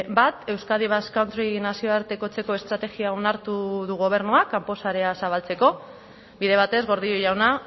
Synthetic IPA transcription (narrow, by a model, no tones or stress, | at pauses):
bat̪e̞wskaðiβ̞askawnt̪ɾinasio̞aɾt̪e̞ko̞t͡se̞ko̞e̞st̪ɾat̪e̞ɣiaonaɾt̪uðuɣo̞β̞e̞ɾnuakampo̞saɾe̞asaβ̞alt͡se̞ko̞ | biðe̞βat̪e̞zɣo̞ɾð̞ioʎawna